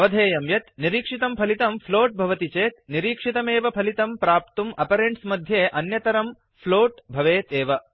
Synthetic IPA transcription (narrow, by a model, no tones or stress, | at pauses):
ɐʋɐd̪ʱeːjɐmjɐt̪niɾiːkʂit̪ɐmpʰɐlit̪ɐmpʰloːʈ̚bʱɐʋɐt̪it͡ʃeːt̪̚niɾiːkʂit̪ɐmeːʋɐpʰɐlit̪ɐmpɾaːp̚t̪umɐpɐɾeɳʈsmɐd̪ʱjeːʔɐnjɐt̪ɐɾɐm | pʰloːʈbʱɐʋeːt̪eːʋɐ